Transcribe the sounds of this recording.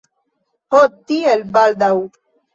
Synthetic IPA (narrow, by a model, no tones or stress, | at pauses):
hot̪ielbald̪au